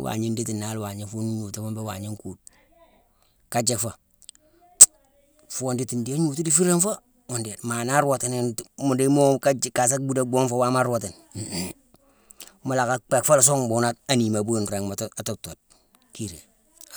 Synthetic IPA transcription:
wa̰˨ɲi˦ndi˦ti˨na˨˦lwa˨ɲi˨fu˦n˦ɲu˨tu˦ma˦mbe˦wa̰˨ɲi˦ŋku˨d̚ | ka˦d͡ʒe˦kfa˨ | fu˦oː˦ndi˦ti˨ndi˦a˦ɲu˨tu˦di˦fi˦ɾe˦nfa˦ | o˨ndi˨tma˨na˦ɾwa˨te˨n˦mu˨de˦mo˦ka˦ka˨s̬a˦kbu˦da˦ɡo˦ŋfo˦wa˦ma˦ɾo˨te˨n | ma˦la˨ka˦k͡pe˨kfa˦la˨s̬o˦ŋbu˨na˦t̚a˨ni˨ma˨bu˦˨nɾe˨ŋ˨a˨to˦to˨t̚ | ki˦ɾe˨

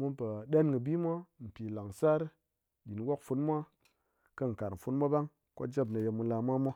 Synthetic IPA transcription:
mu˦npa˨ɗe˦nŋə˨bi˦mʷ˦a˦m̩˨pi˨la˨ŋsa˦ɾ | ɗi˨n˨˦wo˦kfu˧˦nmʷ˦a˦ | kə˦˨ŋ̩˨ka˨ɾm̩˨fu˦nmʷ˦a˦ba˦ŋ | ko̰˦d͡ʒe˦bna˨je˧mu˧la˧mʷa˦mʷa˦

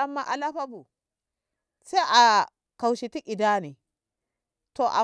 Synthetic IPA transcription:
a˦mːa˦ʔa˨la˦ɸa˦bu˨ | se˦ʔa˨ | ka˨wʃi˨ti˦ʔi˨da˦ni˨ | to˨ʔa̰˨

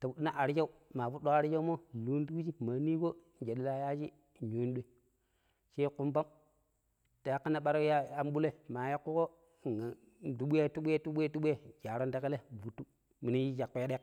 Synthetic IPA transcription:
ta˨bu˨ɗi˦na˦ʔa˨ɾt͡ʃa˦u˦ma˨fu˦ɗo˦ka˦ɾi˦d͡ʒa˦mo˦lu˦n˦tu˦ki˦d͡ʒi˦ma˨˦ni˦ko˦ | n˨d͡ʒe˨ɗi˨˦la˦ja˦d͡ʒi˦˨ | ɲo˨˦n˦ɗe˨˦ | ʃe˦ku˦mba˦m | ta˨ja˦kːa˦nːa˦ɓa˦ɾja˦a˦m˦ɓu˦le˦ma˨ja˦kːu˦ko˦˨ | a˨ | du˦ɓu˦je˦tu˦ɓʷu˦e˦tu˦ɓu˦e˦tu˦ɓʷu˦e˦d͡ʒa˨ɾo˦nda˦ke˦le˦˨bu˨tːu˦ | mi˨ni˦ji˦d͡ʒa˨kːu˦ja˦ɗe˦k

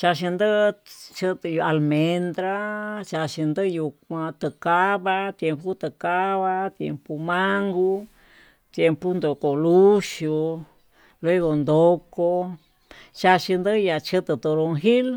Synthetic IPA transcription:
t͡ʃa˧ʃ̬i˧nd̪ɨ˦t͡ʃɨ˦˧t̪ɨ˧ju˧a˧lmẽ˧nd̪ɾa˦t͡ʃa˧ʃi˧nd̪ɨ˦˧ju˧kʷã˧t̪ɨ˧ka˦βa˧t̪je˧mpu˦t̪ɨ˧ka˦βa˧t̪jḛ˧mpu˧mã˦ŋɡu˦ | t̪je˧mpu˦nd̪o˨ko˨lu˦ʃu˧ | lwe˦ɣo˧nd̪o˧ko˧ | t͡ʃa˧ʃi˧nd̪ɨ˦ja˧t͡ʃɨ˦t̪ɨ˧˨t̪o˧ɾo˧ŋɦi˦l

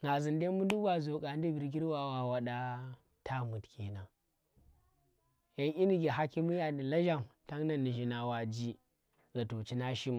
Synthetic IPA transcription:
ŋɡa˨zi˨nde˦mu˦du˦ba˨zo˨ka˨n˦di˦bi˨ɾɡ̬i˦ɾwa˨wa˨wa˨ɗa˦ | tʰa˦mu˨tkʰi˨na˨ | ja˨nʔi˦ni˨ɡʲi˨ɦa˦ki˦mi˦ja˨di˨la˦ʒa˦˨mta˦ŋna˦˨ni˨ʒi˨na˨wa˨d͡ʒi˦ | ɡa˨to˨t͡ʃi˦na˦ʃi˦m˨

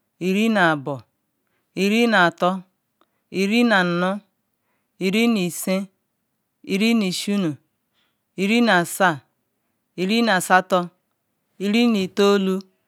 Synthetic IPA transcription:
i˨ɾi˦na˨bɔ˨ | i˨ɾi˦na˨a˨tɔ˦ | i˨ɾi˦na˨n̩˨nʊ˦ | i˨ɾi˦ni˨se˦ | i˨ɾi˦ni˨ʃu˦nu˨ | i˨ɾi˦na˨sa˦˨ | i˨ɾi˦na˨sa˦tɔ˦ | i˨ɾi˦ni˨to˦lu˦

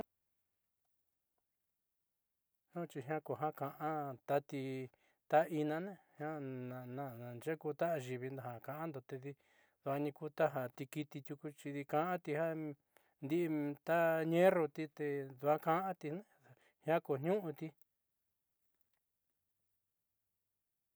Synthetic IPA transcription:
nõ˦t͡ʃi˧ɦã˦ko˨ɦã˦kã˧ʔã˦t̪a˧t̪i˧ | t̪a˦ʔi˧nã˧nẽ˦hj̃ã˦nã˨nã˧ã˨nd͡ʒe˦ku˧t̪a˦ʔa˧ʒi˨βi˧nd̪o˧ɦã˨kã˧˨ʔã˦nd̪o˨t̪e˧ði˧ | ðu˧a˧nĩ˧ku˦t̪a˦ɦa˧˨t̪i˧ki˧t̪i˧t̪ʲju˧ku˧t͡ʃi˧ði˧kã˧ʔã˦t̪i˧ha˦ | nd̪i˦ʔt̪a˦ɲẽ˦ro˧t̪i˧t̪e˧d̪u˧a˦kã˧˦ʔã˦t̪i˧nẽ˦˨ | hj̃ã˦ko˨ɲ̥ɲũ˦ʔũ˧t̪i˧

